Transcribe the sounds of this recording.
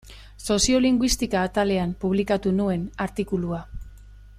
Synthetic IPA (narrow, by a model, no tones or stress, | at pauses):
so̞sio̞liŋɡwist̪ikaːt̪ale̞ampuβ̞likat̪unue̞naɾt̪ikulua